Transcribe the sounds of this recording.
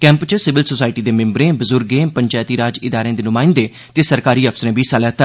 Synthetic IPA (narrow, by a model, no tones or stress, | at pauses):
kɛ̃ːmpt͡ʃsɪʋɪlsoːsaːɪʈiːd̪eːmɪ̃mbɾẽːbəzʊɾɡẽːpəɲt͡ʃaːjt̪iːɾaːd͡ʒɪd̪aːɾẽːd̪eːnʊmãːɪ̃nd̪eː | t̪eːsəɾkaːɾiːəpʰsəɾẽːbʱiːsalɛːt̪ə